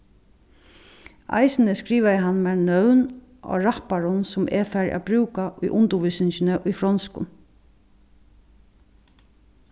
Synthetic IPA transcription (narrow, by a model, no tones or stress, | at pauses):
a̰jsnəskɾiːʋajəɦanːmɛɹnœwn | ʔɔ̰ːɹapaɾʊnsʊmʔɛ̰fæɹa̰bɾʉːkaʔʊjʔʊnt̪ʊʋʏsɪnʃɪnəʔʊjfɾɔnskʊ̰n